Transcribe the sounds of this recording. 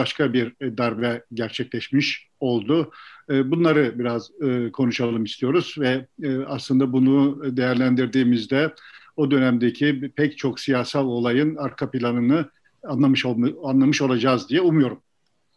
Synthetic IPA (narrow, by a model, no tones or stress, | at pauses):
aʃkʰabiɾd̪aɾbɛɟæɾt͡ʃʰɛclʲɛʃmiʃ | o̞lˠd̪ʊbunlˠaɾɯbiɾaz̥ɯːkʰo̞nuʃalˠɯmist̪ʰijo̞ɾuzvɛaslˠɯnd̪abunud̪e̞jæɾlʲænd̪iɾd̪iːmizd̪ɛ | od̪ø̞næmd̪ecʰipʰɛct͡ʃʰo̞ksijaːsalʲˠo̞lˠajɯnaɾkʰapilʲˠanɯnɯ | anlˠamɯʃo̞lˠad͡ʒaːzd̪ijɛumujo̞ɾum